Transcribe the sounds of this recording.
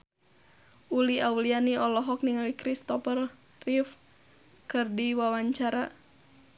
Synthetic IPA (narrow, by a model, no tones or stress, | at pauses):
ʔuliawlianiɔlɔɦɔk̚niŋalikɾist̪ɔpər | rif | kərdiwawaɲt͡ʃaɾa